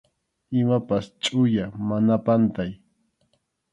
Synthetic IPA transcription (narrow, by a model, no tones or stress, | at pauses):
ɪmapast͡ʃʼʊjamanapant̪aj